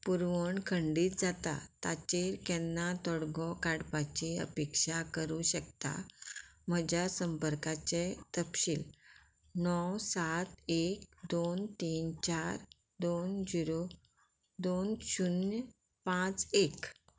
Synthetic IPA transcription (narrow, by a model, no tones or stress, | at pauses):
puɾʋəɳkʰəɳɖiːt̪̚d͡zat̪a̰t̪at͡ɕeɾkɛnːat̪ɔɽɡɔkaɽpat͡ɕiə̰pekɕakəɾuɕəkt̪a̰m̤əd͡ʑjasəmpəɾkat͡ɕet̪əpɕiːl | nɔwsat̪ek̚d̪ont̪iːnt͡ɕaɾ | d̪ond͡ziɾo | d̪onɕun | pãt͡sek